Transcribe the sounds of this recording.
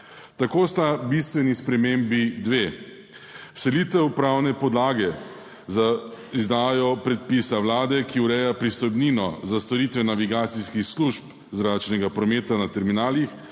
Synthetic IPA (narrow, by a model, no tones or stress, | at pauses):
t̪akost̪abist̪ʋɛnispɾɛmembid̪ʋe | sɛliːt̪ɛwpɾawnɛpɔd̪laːɡɛ | zaizd̪aːjɔpɾɛt̪̚pisaʋwlaːd̪ɛkiuɾɛjapɾist̪ɔjbninɔzast̪ɔɾiːt̪ʋɛnaʋiɡaːt̪siskixsluʃp | zɾat͡ʃnɛɡapɾɔmeːt̪anat̪ɛɾminaːlix